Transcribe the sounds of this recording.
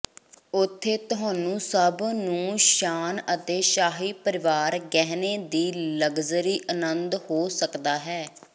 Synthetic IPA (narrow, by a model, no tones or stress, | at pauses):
ʊt̪ʰːeːt̪ʊɦãːnũːsəbnũːʃaːnət̪eːʃaːɦiːpəɾɪʋaːɾɡɛɦneːd̪iːləɡzəɾiːʔənənd̪hoːsəkd̪aːɦɛː